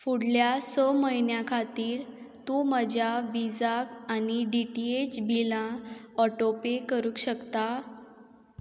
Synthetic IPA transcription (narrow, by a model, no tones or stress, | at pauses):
fuɽljasɔməɦinjakʰat̪iːɾ | t̪ũməd͡ʑʱjaʋid͡zakaniɖiʈiet͡ɕbilãɔʈopekəɾũːkɕəkt̪a